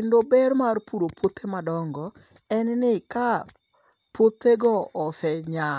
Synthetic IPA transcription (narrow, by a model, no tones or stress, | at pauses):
ɪndobɛrmarpuɾopwot̪ʰemadɔŋɡɔ | ɛnnɪka | pwot̪eɡɔɔsɛɲa